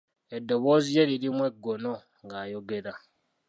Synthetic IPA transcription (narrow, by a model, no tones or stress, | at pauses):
edoβozije̞ɾiɾimweɡono | ŋɡajo̞ɡe̞ɾa